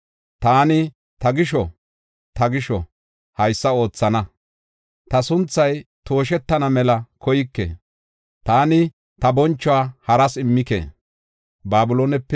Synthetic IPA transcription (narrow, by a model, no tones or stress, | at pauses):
t̪aːnɪ | t̪ɐɡɪʃɔ | t̪ɐɡɪʃɔ̰ | hɐjsːɐo̞ːt͡sːɐnɐ | t̪ɐsʊnt͡sːɐjt̪o̞ːʃ̬ɛt̪ːɐnɐmɛlɐkʰɔjɪkːḛː | t̪aːnɪ | t̪ɐbɔnt͡ʃːɔaːhɐɾɐsɪmːɪkḛː | baːbʊloːnɛpːɛ